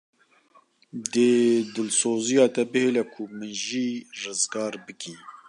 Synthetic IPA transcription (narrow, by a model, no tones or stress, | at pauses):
d̪əd̪ɨlsoːzijɑːt̪ɛbɨheːlɛkʰʊmɨʒiːrɨzɡɑːɾbɨkiː